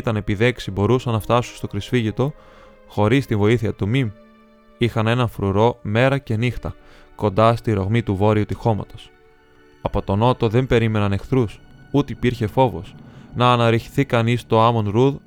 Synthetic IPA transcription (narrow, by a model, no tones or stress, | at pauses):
it̪ɐne̞piðe̞ksibo̞ɾusɐnɐft̪ɐsunst̪o̞kɾisfiʝit̪o̞ | xo̞ɾist̪iɱvo̞iθiɐt̪umim | ixɐne̞nɐnfɾuɾo̞me̞ɾɐce̞nixt̪ɐ | ko̞nd̪ɐst̪iɾo̞ɣmit̪uvo̞ɾiut̪ixo̞mɐ̰t̪o̥s | ɐpo̞t̪o̞no̞t̪o̞ðe̞mbe̞ɾime̞nɐne̞xθɾusut̪eipiɾçe̞fo̞vo̞̰snɐːnɐɾiçi̥θikɐnist̪o̞ɐmo̞nɾuð